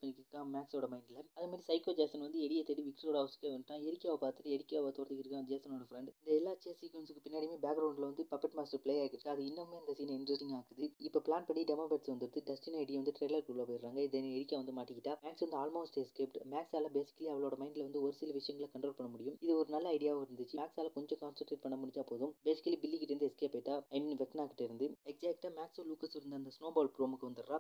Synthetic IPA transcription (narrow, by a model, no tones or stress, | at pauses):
pɐɳːɪkːɪɾɯkːãːmaːksoːɽɐmɐɪɳɖɪlɐɐðɐmaːɾisɐɪkoːd͡ʒaːsɐnʋɐnd̪ɯɛɽɪjɐt̪ːɐɽiʋɪkʈɾoːɽɐːʋɐsɯ̥kːeʋɐnʈːãːɛɾɪkːaːʋɐpaːɾt̪ɯʈːɯɛɽɪkʲːaːʋɐt̪oːɾɐt̪ɯkɪɾɯkːãd͡ʒaːsɐnoːɽɐfɾɛɳɖɪnd̪ɐɛlːaːt͡ʃːɪjasiːkʋɛnsɯkːɯpɪnːaːɽimeːbaːɡɾɐʊɳɖɪlɐʋɐnd̪ɯpɐpːɐʈmaːsʈɐɾpɭejaːkːɪɾɯkːaɐðɯɪnːɐmeːɐnd̪ɐsiːnɐɪnɾɐsʈɪŋɡaːkɐðɯɪpːoːplaːnpɐɳːiɖɛmabɾeːʈsʋɐnd̪ɯɾɯt̪ːɯɖɛsʈɪnɐɪɽɪjɐʋɐnd̪ɯʈɾɛɪlɐɾkuɭːɐpoːjɪɾɾaːŋɡɐɪðɐnːɯɛɾɪkʲːaːʋɐnd̪ɯmaːʈːɪkːɪʈːaːmaːksʋɐnd̪ɯaːlmoːsʈɛskeːpʈmaːksaːlɐbeːsɪ̥kːɐliɐʋɐɭoːɽɐmɐɪnɖɪlɐʋɐnd̪ɯɔɾɯsɪlɐʋɪʂɐjɐŋɡɐɭɐkɐɳʈɾoːlpɐɳːɐmʊɽɪjɯmɪðɯɔɾɯnɐlːɐɐɪɽɪjaːʋɪɾɯnd̪ɯt͡ʃːɯmaːksaːlɐkɔɲd͡ʒɔ̃kaːnsɐlʈɾeːʈ̚pɐɳːɐmʊɽɪɲd͡ʒaːpoːðɯmbeːsɪ̥kːɐlibɪlːikːɪʈːɐɾɪnd̪ɐɛskeːpːɐːʈːaːɐɪmiːnʋɛkɐnaːkɪʈːɪɾɯnd̪ɯɛksɛːk̚ʈaːmaːksoluːkɐsɪɾɯnd̪ɐnd̪ɐsnoːbaːlpɾoːmɯkːɯʋɐnd̪ɯɾkːãː